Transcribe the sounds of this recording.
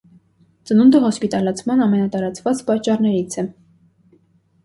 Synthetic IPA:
t͡sənund̪əɦɔspit̪ɑlɑt͡sʰmɑnɑmɛnɑt̪ɑɾɑt͡svɑt͡spɑt͡ʃːɑrnɛɾit͡sʰɛ

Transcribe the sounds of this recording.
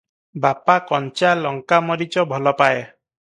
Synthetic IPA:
bapakɔnt͡ʃalɔŋkamɔɾit͡ʃɔbʱɔlɔpaje

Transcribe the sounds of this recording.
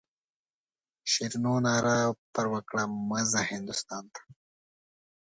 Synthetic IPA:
ʃiɾnoːnaːɾapɐɾwɐkɽamɐzahind̪ust̪ɑːnt̪ʰḁ

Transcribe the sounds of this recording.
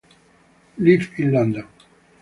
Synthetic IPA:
lifinland̪a

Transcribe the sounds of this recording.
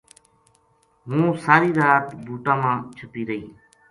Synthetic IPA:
ɦũːsaːɾiːɾaːt̪bʱuːʈãːmãːt͡ʃʰəpiːɾəɦiː

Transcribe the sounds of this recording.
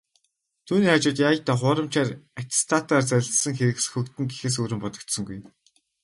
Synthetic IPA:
t̪ʰuːniːχat͡ɕʊːt̪jaːjə̆ɬt̪aːχʊːɾə̆mt͡ɕʰaːrat̪ʰst̪ʰat̪aːrt͡sæ̆sə̆ŋxeɾɘ̆ksxɵkt̪ɘ̆ŋɡixĕːs̬ɵɾɘ̆mpɔt̪ɞ̆kt̪sɞ̆ŋɡuj

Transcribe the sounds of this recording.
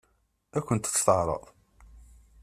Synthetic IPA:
ækʷːənt̪ːst̪əʕɾˤɑ̰ðˤ

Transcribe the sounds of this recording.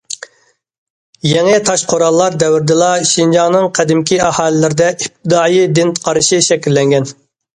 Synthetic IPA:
jɛŋɪt̪ʰɑʃqʰoɾɑlˠːɑɾd̪ɛwɪɾd̪ɨlˠɑʃind͡ʒɑŋnɨŋqʰæd̪ɪmkʲʰiɑhɑːlɪlɪɾɪd̪ɛʔip̚t̪ʰɪd̪ɑːjid̪ɪnt̪ʰqʰɑɾɨʃiʃɛkʲilːɛŋɡʲɛn

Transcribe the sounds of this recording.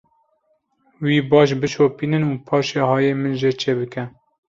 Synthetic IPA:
wiːbɑːʃ̬bɨt͡ʃʰoːpiːnɨnuːpʰɑːʃeːhɑːjeːmɨnʒet͡ʃʰeːbɨkɛ

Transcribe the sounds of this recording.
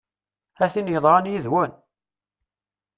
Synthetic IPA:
æθinəçðˤʁɑnjiðwən

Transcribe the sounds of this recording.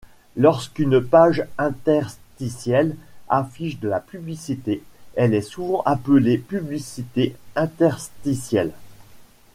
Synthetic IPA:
lɔʁskynpaʒɛ̃t̪ɛʁst̪isjɛlafiʃd̪əlapyblisit̪eɛlɛsuvɑ̃ʔapəlepyblisit̪eɛ̃t̪ɛʁst̪isjɛl

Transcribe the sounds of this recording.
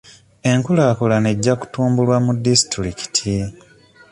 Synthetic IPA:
e̞ŋkulaːkulane̞ɟːaku̥tuːmbulwamudːisi̥tɾiki̥tʰi

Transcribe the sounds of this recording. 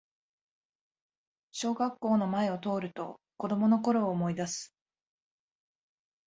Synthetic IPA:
ɕo̞ːɡakːo̞ːno̞mae̞o̞t̪o̞ːɾɯ̟t̪o̞̰ | ko̞d̪o̞mo̞no̞ko̞ɾo̞ːmo̞id̪asɨ̥

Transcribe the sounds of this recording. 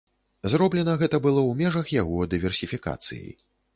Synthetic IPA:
zɾɔblʲɛnɐɣɛt̪ɐbɨlˠɔwmʲɛʐɐxjaɣɔd̪ɨvʲɛrsʲifʲika̰t̪sɨ̰jḛj

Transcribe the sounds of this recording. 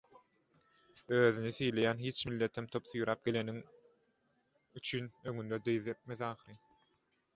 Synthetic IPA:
øːðyniθejle̞jæːnɦiːt͡ʃmilːe̞t̪ʰemt̪ʰo̞pθyjɾɑːp̚ɡ̥ele̞niŋ | yt͡ʃʰyːnøŋynd̪ød̪ejðep̪̚meðɑːχɯɾɯ

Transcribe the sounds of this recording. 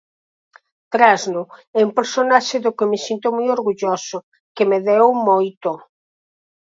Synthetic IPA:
t̪ɾaznʊɛumpeɾsonaʃɪðʊkɪmɪsint̪omojoɾɣuʎosʊ | kɪmeðɛwmojt̪ʊ

